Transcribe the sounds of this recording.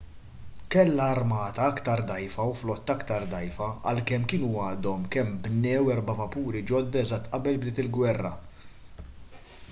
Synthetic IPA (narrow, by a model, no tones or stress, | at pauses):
kɛlːɐːɾmɐːt̪ɐɐkt̪ɐɾd̪ɐjfɐwflɔt̪ːɐkt̪ɐɾd̪ɐjfɐɐ̰lkɛmːkɪːnuɐːd̪ɔmkɛmbnɛːwɛɾbɐvɐpuːɾid͡ʒɔd̪ːɐɛzɐt̪ːʔɐbɛlbd̪ɪːt̪ɪlɡwɛrːɐ̰